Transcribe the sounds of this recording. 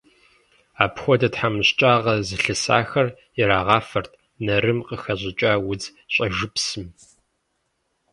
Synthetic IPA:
aːpxʷɔdɐtħamɨɕt͡ʃʼaːʁɐzɨɬɨsa̰ːxɐr | jɪɾaːʁɑːfɐrtʰ | nɐɾɨmqəxɐʑɪt͡ʃʼaːwʊd͡zɕʼɐʒɨpsɨm

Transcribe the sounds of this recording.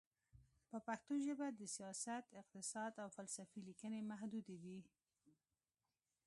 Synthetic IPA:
pəpaxt̪oʒəbad̪əsijɑsat̪ɪq̚t̪ɪsɑd̪awfalsafilikənemaɦd̪ud̪ed̪i

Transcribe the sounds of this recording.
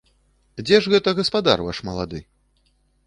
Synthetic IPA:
d͡zʲɛʐɣɛt̪ɐɣɐspad̪a̰rva̰ʂmɐlˠa̰d̪ɨ

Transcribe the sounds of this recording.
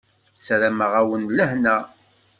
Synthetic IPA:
sɾæməʁæwənləhnæ

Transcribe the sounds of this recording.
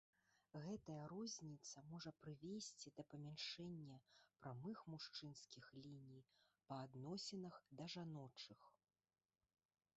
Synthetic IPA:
ɣɛt̪ɐjɐɾɔzʲnʲit̪sɐmɔʐɐpɾɨvʲesʲt͡sʲid̪ɐpɐmʲanʂɛnʲːɐpɾamɨxmuʂt͡ʂɨnskʲixlʲinʲijpɐːd̪nɔsʲɛnɐxd̪ɐʐanɔt͡ʂɨx

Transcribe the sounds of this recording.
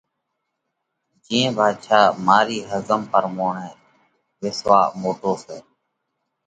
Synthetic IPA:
d͡ʒĩẽːbʱaːd̪ʃʰaːmaːɾiːɦəzəmpəɾmoːɳɛː | ʋɪsʋaːmoːʈoːsɛː

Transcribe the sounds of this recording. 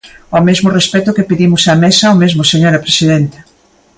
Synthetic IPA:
omezmʊrespɛt̪ʊkepeðimʊsɐmesɐomezmʊseɲoɾɐpɾesiðɛnt̪ɪ̥

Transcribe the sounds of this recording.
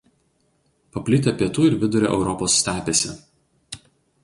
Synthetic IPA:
pɐpʲlʲɪt̪ʲepʲiɛt̪uːɪɾʋʲɪd̪ʊɾʲɛ̰ːʔɛ̰ʊɾɔpoːsːʲt̪ʲæːpʲesʲɛ

